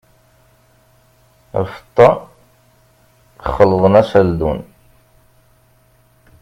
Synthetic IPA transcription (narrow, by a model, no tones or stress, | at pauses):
æ̰fə̥t̪ˤːɑ | əχːəlːəðˤənæsæld̪un